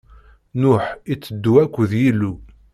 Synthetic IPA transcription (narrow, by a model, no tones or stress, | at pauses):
nʊħit͡sːəd̪ːuækʷːðjilːu